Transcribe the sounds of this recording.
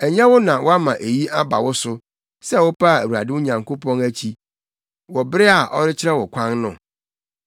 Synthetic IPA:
æ˨ɲã˦wʊ˦nã˨wʔɔ˦a˦mã˨ʔe˨ji˦a˦ba̰˨wʊ˦sʊ˦ | sɛ˦wʊ˦pʰa˦˨æ̰˨wu˨a̰˨dɪ˦ʊ˦ɲã˨ŋko˦pʰɔ̃˦ŋæ˦t͡ɕʰi˦ | wɔ˨bɪ˦ɾɪ˦a˨ʔɔ̰˦ɾɪ˦t͡ɕʰɪ˦ɾɛ˦wɔ˨kʷʰã˦nnʊ̰̃˨

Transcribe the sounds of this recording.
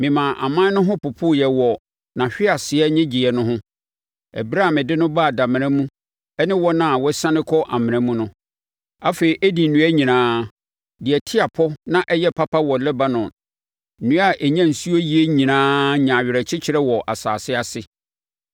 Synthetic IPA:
mɪ̃˨mã˨ʔa̰˨mã˦nʊ̃˦ɦʊ̃˦pʊ˨pʰʊ˦jɛ˨wɔ˨ | nã˨ɕᶣɪ˦a˨sɪ˨ɛ˦ɲɪ̃˦d͡ʑi˨ɛ˨nʊ̃˦ɦʊ̃˦ | ɛ̰˨bɾa˦˨mɪ̃˨dɪ˦nʊ̃˦ba˦˨da˨mɪ̃˨ɾɛ̃˦mũ˦ | ɛ˦nɪ̃˦wɔ˦nã˨wɔ˦sã˦nɪ̃˦kʰɔ˦ʔa˨mɪ̃˨ɾɛ̃˦mũ˦nʊ̃˦ | a˦fe˨i˨ʔæ˦di˨n̩˨nũ˦a˦ɲĩ˨nãː˦ | dɪ˨ɛ˨tʰɪ˦a˨pʰɔ˦nã˨ʔɛ˦jɛ˦pʰa˦pʰa˦wɔ˨lɛ˦ba˦nʊ̃˨ | nũ˦a˦ʔɛ˨ɲã˦n̩˨su˦o˦ji˦e˦ɲĩ˨nãː˦ɲã˨ɥɪ˨ɾɛ˨t͡ɕʰɪ˦t͡ɕʰɪ˨ɾɛ˦wɔ˨ʔa˨saː˨sɪ˦a˨sɪ˦

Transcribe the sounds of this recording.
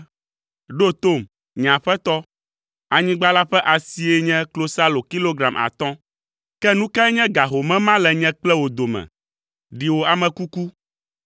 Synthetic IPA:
ɖo˦t̪o˦˨m | ɲ˨ã˨ɸɛ˦t̪ɔ˦ | a˨ɲĩ˦ɡ͡ba˦la˦ɸɛ˦ʔa˨si˨e˦ɲɛ̃˦klo˦sa˦lo˨ki˦lo˦ɡɾa˨mʔa̰˨t̪ɔ̃˦ | kɛ˦nũ˦ka˦ɛ˦ɲɛ̃˦ɡa˨ɦo˨mɛ̃˦mã˦lɛ˨ɲɛ̃˦k͡plɛ˦wo˨d̪o˨mɛ̰̃˨ | ɖi˨wo˨a˨mɛ̃˨ku˦ku˦

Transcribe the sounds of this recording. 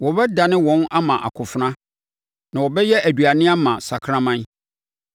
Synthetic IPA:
wɔ˨bɛ˦da˨nɪ̃˦wɔ̃˦na˦mã˨ʔa̰˨kʰʊ˨fnã˦ | nã˨wɔ˨bɛ˦jɛ˦ʔæ˨du˨a˨nɪ̃˦a˦mã˨sa˨kʰɾã˦mã˦n˦

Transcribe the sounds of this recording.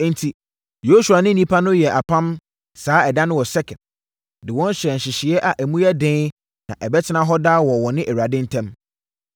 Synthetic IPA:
n̩˨tʰi˨ | jo˦su˨a˨nɪ̃˦nĩ˦pʰa˦nʊ̃˦jɛ˨ʔa˨pʰã˦m | saː˨˦ɛ˨da˦nʊ̃˦wɔ˨sɛ˦kʰɛ̃˨n | dɪ˨wɔ̃˦n˦ɕɾɛ˨n̩˨ɕɪ˨ɕɪ˨ɛ˦ʔa˨ʔæ˨mũ˦ɛ˦dɪ̃˦ | nã̰˨ʔɛ˨bɛ˦tʰɪ˦nã˦ɦɔ˦daː˦wɔ˨wɔ˨nɪ̃˦ʔɛ˨ɥu˨a˨dɪ̃˦n̩˦tʰɛ̃˦m

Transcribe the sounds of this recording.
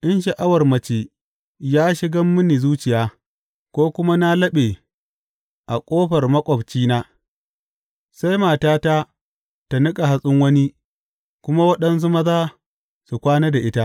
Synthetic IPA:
ʔɪ˦nʃɐ˨ʔa˦wɐ˨rmɐ˨t͡ʃeː˨ | jaː˦ʃɪ˦ɡɐ˦mːʊ˦niː˨zuː˦t͡ʃɪ˨jaː˦ | kʷoː˦kʷʊ˦ma˦na˦lɐ˦ɓeː˨ | ʔa˨kʷʼoː˦ɸɐ˨rmɐ˦kʷʼɔ˨bt͡ʃiː˦naː˦ | sa˦jmaː˨taː˦ta˦ | ta˨nɪ˦kʼa˨ɦa˨˦sʼʊ˦ŋwɐ˦ni˦ | kʷʊ˦ma˦wɐ˦ɗɐ˦nzʊ˦mɐ˦zaː˦ | su˨kʷaː˦neː˦da˨ʔɪ˦ta˦ʔ

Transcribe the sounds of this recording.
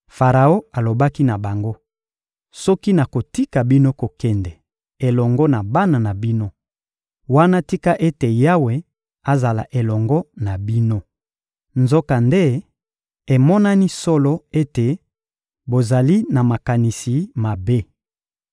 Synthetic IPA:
fa˨ʁa˨o˦a˨lo˨ba˦ki˦na˨ba˨ŋɡo˦ | sɔ˦ki˦na˨ko˨ti˦ka˨bi˦no˦ko˨kɛ˦ndɛ˨ | e˨lɔ˨ŋɡɔ˦na˨ba˦na˨na˨bi˦no˦ | wa˦na˦ti˦ka˦ʔe˦te˨ja˦we˨ | a˨za˨la̰˨ʔe˨lɔ˨ŋɡɔ˦na˨bi˦no˦ | nzo˦ka˨nde˦ | e˨mɔ˦na˦ni˦sɔ˦lɔ˦e˦te˨ | bo˨za˨li˦na˨ma˨ka˨ni˨si˨ma˨be˦

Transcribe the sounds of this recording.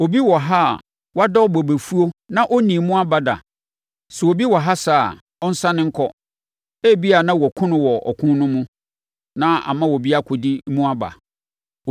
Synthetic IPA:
o˨bi˦wɔ˨ɦa˦˨ | wa˦dɔ˦bɔ˨be˨fu˦o˦nã˦ʔɔ˦nĩ˨mũ˦a˦ba˨da̰˨ | sɛ˨wo˨bi˦wɔ˨ɦa˦saː˦˨ | ɔ˦n̩˦sã˦nɪ̃˦ŋ̩˦kʰɔ˦ | e˦˨bi˦a˨nã˦wɔ˨kʰʊ̃˦nʊ̃˨wɔ˨ɔ̰˨kʰʊ̃˦nʊ̃˦mũ˦ | nã˦a̰˨mã˦wɔ˨bi˦a˦kʰʊ˨di˦mũ˦a˦ba̰˨

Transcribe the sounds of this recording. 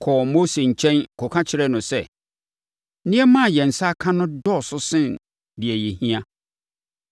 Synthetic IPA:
kʰɔ˨mo˦se˨ɲ̩˨t͡ɕʰɛ̃˦n˨kʰɔ˨kʰã˦t͡ɕʰɪ˨ɾɛ˦nʊ̃˨sɛ˦˨ | nɪ̃˦ɛ˦mã˦˨jɛ˨n̩˨sa˦kʰã˦nʊ̃˦dɔ˦˨sʊ˦sɪ̃˦n | dɪ˨ɛ˨je˨hĩ˦ã˦

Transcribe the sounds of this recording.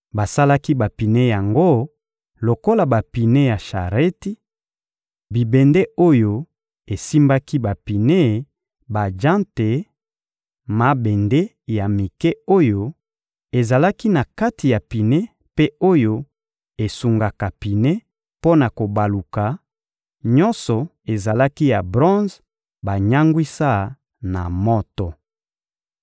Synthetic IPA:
ba˨sa˦la˦ki˦ba˨pi˨ne˦ja˨ŋɡo˦ | lo˨ko˦la˨ba˨pi˨ne˦ja˨ʃa˨ʁe˦ti˦ | bi˨be˨nde˦o˦jo˦ | e˨si˦mba˦ki˦ba˨pi˨ne˦ | ba˨d͡ʒã˦nte˨ | ma˨˦be˨nde˦ | ja˨mi˨kɛ˦o˦jo˦ | e˨za˨la˦ki˦na˨ka˦ti˨ja˨pi˨ne˦ | pe˦o˦jo˦ | e˨su˨ŋɡa˨ka˨pi˨ne˦ | po˦na˨ko˨ba˨lu˨ka˨ | ɲɔ˦nsɔ˨ | e˨za˨la˦ki˦ja˨bʁɔ̃˦z | ba˨ɲa˦ŋɡwi˦sa˦˨ | na̰˨mɔ˦tɔ˨

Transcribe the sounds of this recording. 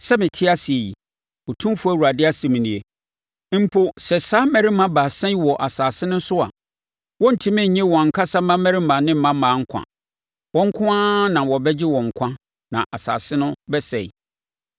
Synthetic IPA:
sɛ˦mɪ̃˨tʰɪ˦a˦si˨e˨ji˨ | ɔ˨tʰũ˦m˦fu˦æ˦˨wu˨ɾa˨dɪ˦a˦si˨mĩ˨nĩ˨e˨˦ | m̩˨pʰʊ˦sɛ˨saː˦mɛ̃˦ɾi˦mã˦baː˨sɛ̃˦ɲ˦wɔ˨ʔa˨saː˨sɪ˦nʊ̃˦n̩˦sʊ˦a̰˨ | wɔ̃˦n̩˨tʰi˦mɛ̃˦˨ɲɛ̃˦wɔ̃˨ŋ̩˨kʰa˦sa˦mã˦mɛ̃˦ɾɪ˦mã˨nɪ̃˦m̩˦mã˦mãː˨˦ŋ̩˦kʷʰã̰˨ | wɔ̃˦ŋ̩˦kʰʊ̃˦ãː˦nã˨wɔ˨bɛ˦d͡ʑɪ˦wɔ̃˨ŋ̩˨kʷʰã˦ | nã̰˨ʔa˨sa̰ː˨sɪ˦nʊ̃˦bɛ˦sɛ̰˨i˨

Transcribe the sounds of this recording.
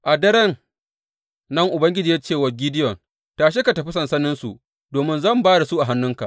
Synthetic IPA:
ʔa˨dɐ˦ɾɐ˦n | ɐ˦ŋʔʊ˨bɐ˦ŋɡʲɪ˦d͡ʒiː˨jaː˦t͡ʃeː˦˨wɐ˨ɡʲɪ˦dɪ˦jɔ˨n | taː˨ʃ̬e˦ka˨tɐ˨ɸi˦sɐ˨nsɐ˦nɪ˦nsu˨ | doː˨mɪ˦nzɐ˦˨mbaː˦da˨su˦ʔa˨ɦa˦nːʊ˦ŋka̰˨ʔ

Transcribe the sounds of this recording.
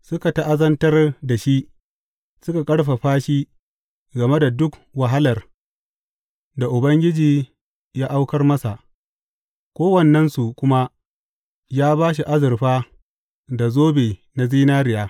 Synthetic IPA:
sʊ˦ka˨ta˦ʔa˦zɐ˦ntɐ˦rda˨ʃi˦ʔ | sʊ˦ka˨kʼɐ˦ɽɸa˨ɸaː˦ʃi˦ | ɡɐ˨me˦da˨dʊ˦kwa˨ɦa˦lɐ˨r | da˨ʔʊ˨bɐ˦ŋɡʲɪ˦d͡ʒiː˨ | jaː˦ʔa˦wkɐ˦rmɐ˦sa˨ʔ | kʷoː˦wɐ˦˨nːɐ˦nsu˨kʷʊ˦ma˦ | jaː˦baː˦ʃ̬i˨ʔa˦zɪ˨rɸaː˦ | da˨zoː˦beː˨na˨ziː˦naː˦ɾɪ˨jaː˦

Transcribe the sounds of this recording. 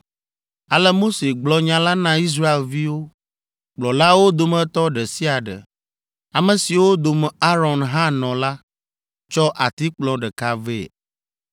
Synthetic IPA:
a˨lə˦mo˦se˨ɡ͡blɔ˨ɲã˨la˦nã˦i˦s̬ɾa˦e˨lvi˦wo˦ | k͡plɔ̃˨la˦wo˦d̪o˨mə̃˦t̪ɔ˦ɖɛ˨si˦a˨ɖə̰˨ | a˨mə̃˨si˨wo˦d̪o˨m˨a˦ɾɔ˨nɦã˦nɔ̃˨la˦ | t͡ʃɔ˦ʔa˨t̪i˦k͡plɔ̃˨ɖɛ˨ka˨ve˦˨

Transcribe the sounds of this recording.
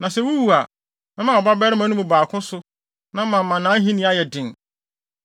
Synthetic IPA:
nã˨sɛ˦wu˦wu˨a˨ | nã˦mã˨ɔ˨ba˦bɛ˦ɾɪ˦mã˨˦nʊ̃˦ʊ̃˨baː˨kʰʊ̃˦sʊ˦ | nã˦mã˨mã˨nãː˨˦ɦĩ˦nĩ˦a˦jɛ˨dɪ̃˨ŋ˨

